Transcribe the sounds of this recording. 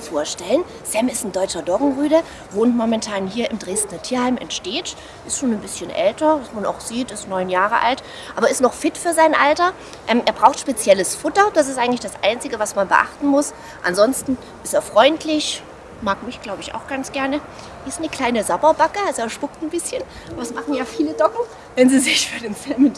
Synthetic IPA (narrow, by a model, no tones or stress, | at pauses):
nfoːɐʃtɛlən | z̥ɛmɪstn̩dɔʏt͡ʃɐdɔɡŋ̩ʁyːdə | voːntmɔmɛntʰaːnhiːɐʔɪmdʁeːstnɐtʰiːɐhaɪmɛ̰ntʃteːt | ʔɪstʃoːnnbɪsçənʔɛltɐvasmana̰ʊxz̥iːtɪstnɔʏnjaːʁəʔa̰lt | ʔaːbɐɪstnɔχfɪtfyːɐzaɪnʔaltɐ | ʔɛːmʔeːɐbʁaʊxtʃpet͡sjɛləsfʊtɐd̥as̬ɪstʔaɪɡŋ̩tlɪçd̥asʔa̰ɪnt͡sɪɡəvasmanbəʔa̰χtn̩mʊs | ʔa̰nzɔnstn̩ | ʔɪsteːɐfʁ̥ɔʏntʰlɪç | maːkmɪçɡ̥laʊbəɪça̰ʊxɡ̥ant͡sɡ̥ɛɐnə | ʔɪstnəkl̥aɪnəzabɐbakəazeːɐʃpʊktn̩bɪsçən | vasmaχn̩jaːfiːlədɔkŋ̩ | vɛnziːzɪçfyːɐdeːnt͡sɛmɪn